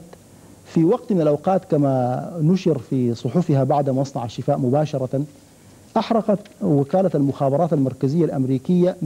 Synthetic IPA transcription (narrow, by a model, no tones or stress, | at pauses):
fiwɑɡt̪mɪnalʔawqɑːt̪kamanʊʃɪɾfisˤʊħufɪɦabaʕd̪maʔɑsˤnɑʕaʃːɪfaːʔmʊbaːʃɑɾˤɑ | ʔaħɾˤɑqɑt̪wɪkaːlalmʊxaːbɑɾˤɑːt̪almɑɾˤkazɪjːalʔamɾiːkɪjːa